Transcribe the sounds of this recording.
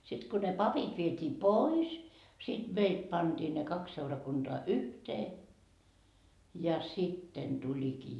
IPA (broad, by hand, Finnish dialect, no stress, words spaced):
sit ko ne pɑpit ʋietʲiː pois sid̥ meit pɑnd̥iː ne kɑks seurɑkund̥oɑ yhteː jɑ sitːen d̥ulikiː